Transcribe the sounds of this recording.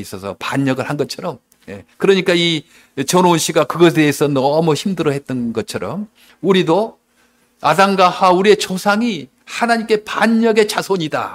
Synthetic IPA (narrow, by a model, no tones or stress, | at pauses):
is͈ʌsʰʌ̰paɲːʌɡɯɭhanɡʌtt͡ɕʰʌɾʌm | je̞kɯɾʌɲik͈ai | t͡ɕʌnounɕ͈ʰiɡakɯɡʌs̬ʰedesʰʌnʌmʌçimdɯɾʌhe̞t̚t͈ʌnɡʌt͡ɕʰʌɾʌ̰m | uɾido | adaŋɡahauɾie̞t͡ɕosʰaŋi | hanaɲimk͈e̞paɲːʌɡe̞t͡ɕasʰoɲida̰